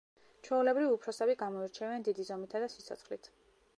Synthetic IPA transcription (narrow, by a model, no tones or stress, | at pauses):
t͡ʃʰwɛulɛbɾiviupʰɾɔsɛbiɡamɔiɾt͡ʃʰɛvɛnd̪id̪izɔmit̪ʰad̪asit̪sʰɔ̰t̪sʰχlit̪ʰ